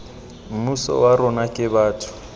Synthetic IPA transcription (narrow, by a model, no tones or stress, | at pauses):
m̩musɔ̰waɾʊnakʼɪbaːtʰʊ̥